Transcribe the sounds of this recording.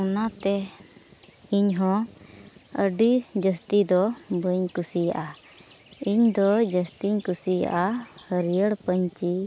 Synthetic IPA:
unat̪ɛ | iɲɦɔ̃ | əɖid͡ʒəst̪id̪ɔbəɲkusija̰ʔa | iɲd̪ɔd͡ʒəst̪iɲkusija̰ʔahəɾijəɽpəɲt͡ʃi

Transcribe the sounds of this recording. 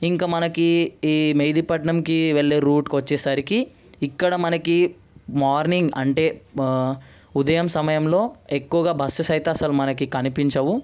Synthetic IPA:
iŋkaːmɐnɐkiːmeːd̪ipɐʈɳɐmkiʋeɭːeːɾuːʈkʋɐt͡ʃːeːsɐɾikiː | kːɐɽɐmɐnɐki | maːɾniŋɡɐɳʈeː | ud̪ɐjɐmsɐmɐjɐmlo̞ːekːuʋɐɡaːbʱɐsɐsɐjt̪ɐːsɐlumɐnɐkikɐnipiɲt͡ʃɐʋu

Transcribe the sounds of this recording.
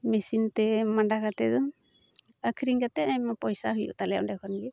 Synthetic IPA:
misint̪ɛmaɳɖakat̪ɛd̪ɔ | əkʰɾiŋkat̪ɛamapɔjsaɦujṵʔt̪alɛja̰ʔɖɛkʰɔnɡɛ

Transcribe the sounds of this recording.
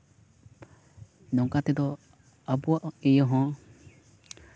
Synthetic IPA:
nɔŋkat̪ɛd̪ɔ | abuaʔɛjɔɦɔ̃

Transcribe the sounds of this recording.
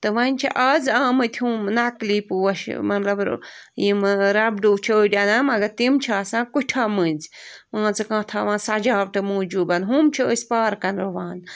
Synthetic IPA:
t̪ɨʋɐnʲt͡ʃʰḭʔaːzãːmɨt̪ʲʰhuːmnɐkliːpuɐʃmɐt̪lɐbjimɾɐbɖuːt͡ʃʰɐːdʲɐnamɐɡɐt̪imt͡ʃʰaːsãːkuʈʰamɨ̃ːnʲzmãːt͡sɨkãːt̪ʰaːʋãːnsɐd͡ʒaːʋʈɨmuːd͡ʒuːbɐnɦuːmt͡ʃʰiəsʲpaːɾkɐnɾoʋãːn

